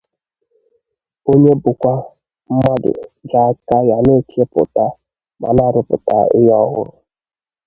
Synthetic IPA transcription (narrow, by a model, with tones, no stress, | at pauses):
o˦ɲe˦bʊ˨kʷa˦ | m̩˦mɔ˦dɪ̰˨d͡ʒa˨˦ka˦ja˨ne˦˨t͡ʃi˦e˦pʊ̰˨ta˦ | ma̰˨na˦˨ɾʊ˨pʊ̰˨ta̰˨ɪ˦jɔ˦ɣʊ̰˦ɾʊ˨